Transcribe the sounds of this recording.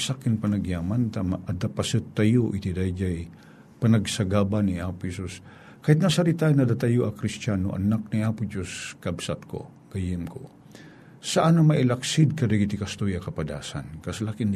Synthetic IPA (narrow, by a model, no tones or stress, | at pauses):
sakɪnpɐnɐɡjaːmant̪amaʔɐd̪apɐsɨt̪ːɐjoʔɪt̪id̪ajd͡ʒaj | pɐnɐɡsɐɡaːbaniʔaːpohɛsus | kaːhɪt̪̬̚nɐsɐɾit̪ajnɐd̪at̪ɐjoʔɐkɾɪst͡ʃano̰ʔɐ̰nak̚niʔaːpod͡ʒoskɐbsat̪̚ko̰ | ɡ̥ɐjɪmko̰ | sɐʔanɐmɐʔɪlaksɪd̪̚kɐdɛɡit̪ikɐst̪ojɐkɐpɐd̪a̰ːsa̰nkɐslakɪn